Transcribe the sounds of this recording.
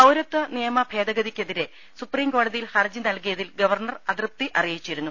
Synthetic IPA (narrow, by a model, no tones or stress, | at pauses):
ɐwɾɐt̪ːɐnijɐmɐbʱe̞ːd̪ɐɡɐðikʲːe̞ðiɾe̞ | supriːmko̞ːɽɐðijilhɐrd͡ʑinɐlkijɐðilɡɐʋɐrɳɐrɐd̪rɨp̚t̪iʔɐrijit͡ɕːiɾunːu